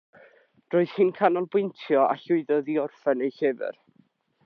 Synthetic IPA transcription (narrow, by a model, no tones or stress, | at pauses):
d̥roːɨð̥hɪnkʰanɔlˠbwʊntʰjɔʔa̰ɬʊɨðɔðiɔrfɛnejɬɛvɨ̰r